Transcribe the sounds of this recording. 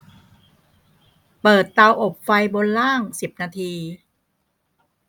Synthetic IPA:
pɤː˨˩t̪ːa˧wʔo˨˩p̚fa˧jbo˧nlaː˥˩ŋsi˨˩p̚naː˧t̪ʰiː˧

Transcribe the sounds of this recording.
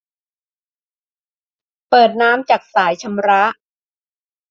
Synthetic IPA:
pɤː˨˩t̪̚naː˦˥mt͡ɕaː˨˩k̚saː˩˦jt͡ɕʰa˧mɾa˦˥ʔ

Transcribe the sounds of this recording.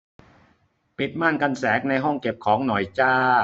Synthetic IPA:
pi˨˩t̪̚maː˥˩nka˧nsɛː˩˦˥k̚na˧jɦɔ˥˩ŋke˨˩p̚kʰɔː˩˦ŋnɔ˨˩jt͡ɕaː˧˩

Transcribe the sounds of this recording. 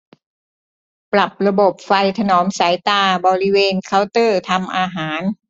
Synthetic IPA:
pla˨˩p̚ɾa˧bo˨˩p̚fa˧jt̪ʰa˧nɔː˩˦msa˩˦jt̪aː˧bɔː˧ɾi˦˥˧weː˧nkʰa˧˥˩wt̪ɤː˥˩t̪ʰa˧mʔaː˧ɦaː˩˦n

